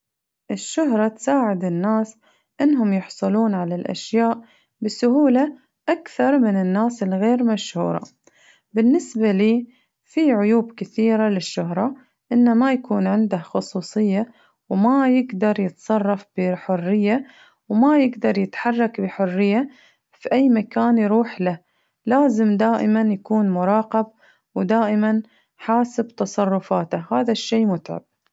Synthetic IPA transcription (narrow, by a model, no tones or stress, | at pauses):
ʔɪʃːʊɦɾˤɑt̪saːʕɪd̪ɪnːaːs | ʔɪnːɦʊmjʊħsˤɑluːnʕalalʔa̰ʃjaːʔ | bɪsʊhuːla | ʔakθɑɾˤmɪnɪnːaːsɪlɣeːɾmaʃhṵːɾˤɑ̰ | bɪnːɪsbaliː | fiːʕʊjuːbkɪθiːɾalɪʃːʊɦɾˤɑ | ʔɪnːamajakuːnʕɪnd̪ahxʊsˤuːsˤɨjːa | wmajɪɡd̪ɑɾˤjɪt̪sˤɑrˤːɑfb̥ɪħʊrːɪjːa | wmajɪɡd̪ɑɾˤjɪt̪ħɑrˤːɑkbɪħʊrːɪjːa | fiʔajːmakaːnjɾuːħla | laːzɪmd̪aːʔɪmanjakuːnmʊɾˤɑːqɑb̚ | wd̪aːʔɪman | ħaːsɪbt̪ɑsˤɑrˤːʊfaːt̪ahaːðaʃːeːmʊt̪ʕa̰b̥̚